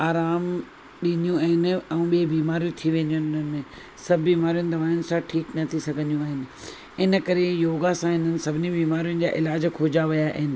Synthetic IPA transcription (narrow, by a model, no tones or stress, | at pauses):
aːɾaːm | ɗiːnijũaːɦɪn̆ɛũɓiːbiːmaːɾijũt̪ʰiʋẽːnd̪ijʊ̃nɪnənẽ | sɐbʱbiːmaːɾijʊ̃nɪ̆d̪ʱɐʋaːjʊnɪ̆sãʈʰiːknɐt̪ʰisɐɡʱə̃nd̪iũaːɦɪnɪ̆ | ɪnə̆kɐɾejoːɡasãɦɪn̤ənɪ̆sɐbʱɪnibiːmaːɾijʊ̃nɪ̆d͡ʑaːʔɪlaːd͡ʑkʰoːd͡ʑaʋɐjaʔɪ̰ɪnɪ̆